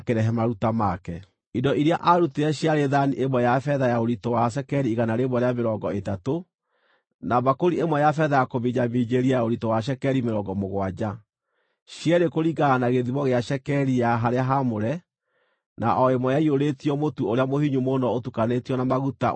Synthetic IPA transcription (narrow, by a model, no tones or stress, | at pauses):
keɾɛɦɛmaɾutamakɛ | idɔʔiɾeaʔaɾuteɛɕjaɾeðaniʔemwɛjafɛðajaoɾitɔwaʃ̬ɛkɛɾiːɣanaɾemwɔɾeameɾɔŋɡɔetato | naβakoɾiemwɛjafɛðajakoβiɲamiːd͡ʒeɾiajaoɾitɔwaʃ̬ɛkɛɾimeɾɔŋɡɔmoɣwad͡ʑa | ɕjɛɾekoɾiɡaːnaɣeðiβɔɣeaʃɛkɛɾijaɦaɾeaɦamoɾɛ | na̰ʔɔemwɛjaioɾetiɔmotuoɾeamohiɲumonɔotukanetiɔnamaɣuta̰